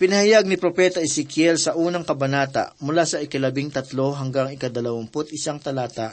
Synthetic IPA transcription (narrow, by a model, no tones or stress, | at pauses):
pɪnɐhajaɡ̚nɪpɾopɛːt̪ɐʔɛsɛkjɛlsɐʔuːnɐŋkɐbɐnaːt̪ɐ̰ʔmʊlasɐɪkɐlɐbɪŋt̪ɐt̪lo̞ɦɐŋɡaŋɪkɐd̪ɐlɐwɐmpʊt̪ɪsaŋt̪ɐlaːt̪aʔ